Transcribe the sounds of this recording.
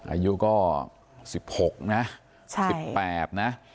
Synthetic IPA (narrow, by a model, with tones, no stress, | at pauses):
ʔa̰ː˧ju˦˥kɔː˥˩ | si˨˩p̚ho˨˩k̚na˦˥ | t͡ɕʰasi˨˩pɛː˨˩t̪̚na˦˥